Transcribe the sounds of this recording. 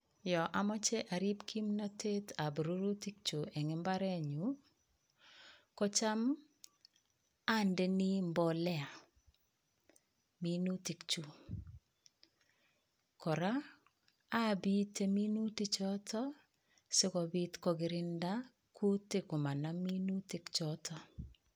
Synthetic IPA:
jɔ˨ʔa˨mɔ˦t͡ʃɛ˦ʔa˨ɾi˦pkʰi˦mnɔ˦tʰe˦ta˨bɾu˦ɾu˦ti˦k̚t͡ʃu˨ɛ˨ŋɪ˦mba˦ɾɛ˦ɲu˨ | kɔ˦t͡ʃa˦m | a˦ndɛ˦ni˦mbɔ˨lɛ˦a˨ | mi˦nu˦ti˨kt͡ʃu˨ | kɔ˨ɾaː˦˨ | bi˦te˦mi˦nu˦tɪ˦t͡ʃɔ˦tʰɔ˦ | sɪ˦kɔ˨bi˦tkɔ˦ɡɪ˨ɾɪ˦nda˦ | kʰu˦tɪ˨kʊ˨ma˨na˦mi˦nu˦tɪ˨kt͡ʃɔ˦tʰɔ˦

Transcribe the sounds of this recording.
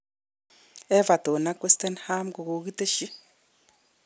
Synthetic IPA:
ɛ˦va˨to˨na˦kwe˦ste˦nha˦mɡo˨ɣo˨ɣi˦te˦ʃi˦

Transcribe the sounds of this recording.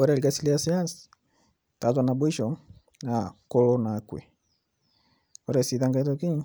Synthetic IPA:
ɔ˦ɾɛliɡa˨si˦liasia˦ns | ta˨zwa˨na˨bwi˦ʃɔ˨ | na˨kɔ˦lɔ˦na˨kwɛ̰˨ | ɔɾɛsi˨ða˦ŋɡa˦i˦tɔki˦

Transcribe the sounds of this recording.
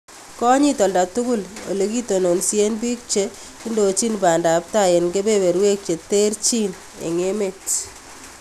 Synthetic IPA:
kɔ˦ɲi˦t̪ɔ˨lda˨tu˦ɡʊ˦lo̰˨le˨ki˦t̪o˨no˨nse˦nbi˦k̚t͡ʃe˦ | i˦ndo˨t͡ʃi˦nba˨nda˨pta˦˨je˨nɡe˦be˦be˨ɾwe˦k̚t͡ʃe˨t̪e˦ɾt͡ʃi˦n | ḛ˨ŋe˦me˦˨t

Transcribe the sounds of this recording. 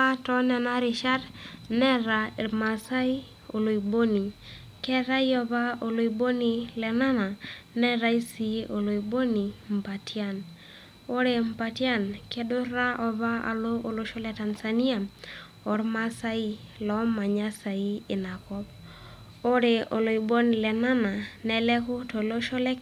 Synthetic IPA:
a˦tɔ˦nɛ˨na˦ɾi˨ʃa˦dnɛ˦ɾa˨e˨ma˨sa˦i˦ | o̰˨lo˨i˨bo˦ni˨ | kɛ˦ɾa˦i˦ɔ˨ba˦o˨lo˨i˨bo˦ni˦lɛ˨na˦na˨nɛ˦ɾa˦i˦si˨ʔo˨lo˨i˨bo˦ni˨m̩˨pa˨tia˦˨n | o˦ɾe˨m̩˨pa˨tja˦nke˦dʊ˦ɾa˦ʔɔ˨ba˦ʔa̰˨lo˦ʔo˨lo˦ʃo˦lɛ˦ta˨nsa˨ni˦a˨ | ɔ˨ɾma˦sa˦i˦lɔ˨˦ma˨ɲa˦sa˨i˦ɪ˨na˨kɔ˦b̚ | o˦ɾe˨o˨lo˨i˨bo˦ni˨lɛ˨na˦na˨nɛ˨lɛ˦kʊ˦to˨lo˦ʃɔ˦lɛ˦k

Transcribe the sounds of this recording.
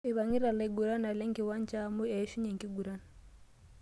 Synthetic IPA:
i˨βa˨ŋi˦ɾa˨le˦ɡu˨ɾa˦na˨lɛ˦ŋki˨wa˦n˦t͡ʃa˦mu˦ɛ˨˦ʃu˦ɲɛ˨ŋki˦ɡu˨ɾa˦n

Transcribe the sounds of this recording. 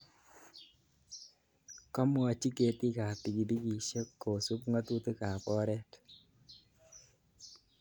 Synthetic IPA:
kɔ˦mwa˨t͡ʃi˦ke˨ti˦ka˨pi˨ki˨bi˦ki˨ʃe˦kːo˨su˦pŋa˦tu˦te˦ka˨pɔ˦ɾɛ˦t

